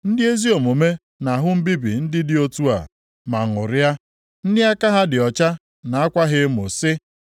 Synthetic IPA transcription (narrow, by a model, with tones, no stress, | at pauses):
n̩˦dɪ˦e˦zi˦o˨mo˨me˦ | na˨ɦʊ˦m̩˦bi˦bḭ˨n̩˦dɪ˦dɪ˦o˦tu˦a̰˨ | ma˨ŋ˨ʊ˨ɾa˦ | n̩˦dɪ˦a˦ka˦ɦa˦dɪ˨ɔ˨t͡ʃa˦ | na˨a˦kʷa˦ɦɪ˦mʊ̰˨sɪ˦